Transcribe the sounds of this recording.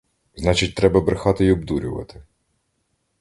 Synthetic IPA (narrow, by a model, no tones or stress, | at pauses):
znɑt͡ʃɪt̚ʲt̪ɾɛbɐbɾɪxɑt̪ɪiɔbd̪uɾʲʊʋɐ̰t̪ɪ̥